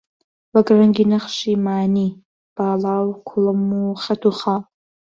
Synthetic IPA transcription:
waɡʼraŋɡinɨχʃimaːni | b̥aːlawkʷʰʊlɨmːuχʲatʰuχa

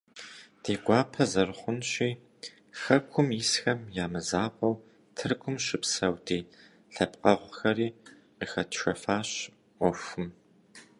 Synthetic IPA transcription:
d̥eːɡʷɑːpʰɐzɐrχʷʊnɕiː | xɐkʷʰʊmisxɐmjaːmɨzaːqʷʼɐw | tʰɨrkʷʰʊmɕɪpsɐwdiː | ɬɐpqʼɐʁʷxɐɾiː | qiːxɐtʰʃɐfaːɕ | ʔʷɔfʷʊm

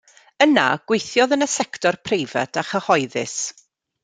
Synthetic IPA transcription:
əna̰ɡ̥wejθjɔðənəsɛktʰɔrpʰrejvɛ̰tʰaχəhɔɨðɪ̰s

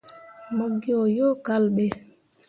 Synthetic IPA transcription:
moɡːiɔjɔkalɓɛ

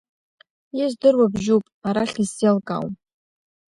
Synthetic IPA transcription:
jazdɨrwabʒupʼaɾaɬiselkʼa̰wm

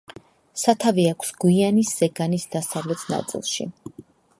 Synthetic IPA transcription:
sat̪ʰaviakʷʰsɡ̥wianisːɛɡanisd̪asavlɛt̪ʰna̰t̪sʼḭlˠʃḭ

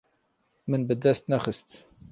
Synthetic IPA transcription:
mənbəd̪æst̪næxəst̪

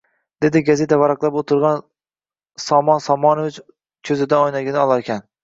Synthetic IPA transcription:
d̪̥e̞d̪ɪɡaze̞t̪ʰavaɾɑqlˠapot̪ʰʊɾʁɑn | sɒmɒnsɒmɒnovɪt͡ʃ | kʲʰɵzɪd̪aojnaɡʲɪnɪɒlˠaɾkʲʰan

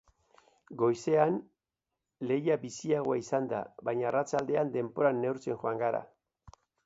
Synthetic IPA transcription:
ɡo̞jse̞an | le̞jabisiaɣo̞aisand̪a̰βajɲaːrat͡ʃald̪e̞and̪e̞mpo̞ɾanːe̞wɾt͡se̞ŋxoaŋɡaɾa̰

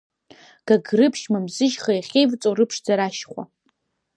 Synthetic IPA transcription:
ɡ̥aɡrɨpʰʃmamzɨʒχajaχʲejvt͡sʼoɾɨpʰʂd͡zaɾaʃχʷa̰

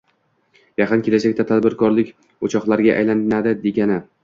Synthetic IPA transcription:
jɑqɨnkʲʰe̞lad͡ʒakʲt̪at̪ʰad̪bɪɾkʰɒɾlɪkʲ | ot͡ʃʰɒqlˠaɾɡʲaʔa̰jlannad̪ɪd̪e̞ɡʲanɪ

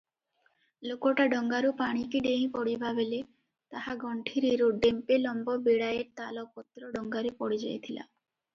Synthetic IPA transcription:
lokɔʈaɖɔŋɡaɾupaɽ̃ikiɖeĩpɔɽibʱabele | t̪ahaɡɔɳʈʰiɾiɾuɖempelɔmbɔbeɽajeɾt̪alɔkɔt̪ɾɔɖɔŋɡaɾepɔɽid͡ʒa̰jt̪ʰila̰

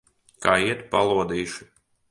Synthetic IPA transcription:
kaːiɛt̪palˠuɔd̪iːʃi̥

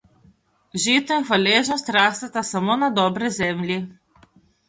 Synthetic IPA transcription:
ʒit̪ɔiŋxalʲeʒnɔst̪ɾast̪at̪asamonad̪ɔbɾɔzɛmlʲi

